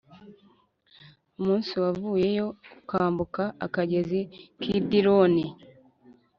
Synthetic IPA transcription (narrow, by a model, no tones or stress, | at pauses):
umuːnsiwavuːje̞jo̞kukaːmbukaʔa̰kaɟe̞zikʰiːdiɾo̞ni